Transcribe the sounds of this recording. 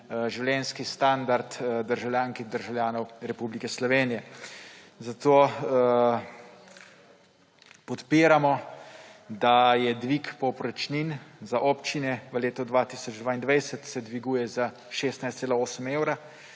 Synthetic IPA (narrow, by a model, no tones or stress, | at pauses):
ʒiwlʲjɛnskist̪and̪aɾt̪d̪əɾʒawljaːŋkiɣd̪əɾʒawljaːnɔwɾɛpublikɛslɔʋeːnijɛ | zat̪oː | pɔt̪piːɾamɔ | d̪ajɛd̪ʋikpɔpɾɔt͡ʃninzaʔɔpt͡ʃinɛʋəleːt̪ɔd̪ʋaːt̪iːsɔd͡ʒd̪ʋaːind̪ʋajsət̪sɛd̪ʋiɡuːjɛza | ʃeːst̪najst̪seːlaoːsəmeːwɾa